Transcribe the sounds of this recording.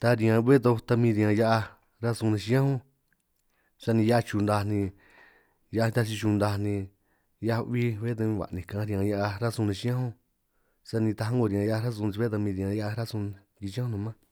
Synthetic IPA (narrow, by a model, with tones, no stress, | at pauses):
t̪a˧ɾĩ˧ã˧βe˦t̪̬o˧t̪a˧mĩ˧ɾĩ˧ã˧ja˦ʔa˧ | ɾa˦sũ˧nĩ˧ʃi˧˦ã˦hũ˦ | sa˧nĩ˧ja˦a˧t͡ʃu˧nd̪a˧nĩ˧ | ja˧a˧nĩ˧t̪a˧t͡ʃ̬i˧t͡ʃu˧nd̪a˧nĩ˧ | ja˧βi˦βe˦t̪ã˧βa̰˨nĩ˨kã˨˦ɾĩ˧ã˧ja˧ʔa˧ɾa˦sũ˧nĩ˧ʃi˧˦ã˦hũ˦ | sa˧nĩ˧t̪a˧ɦã˦ŋɡo˧ɾĩ˧ã˧ja˦a˧ɾa˦s̬ũ˧n˧i˧e˦t̪a˧mĩ˧ðĩ˧ã˧ja˦ʔa˧ɾa˦sũ˧ | ki˧t͡ʃi˦ã˦hũ˦˧nũ˧mã˦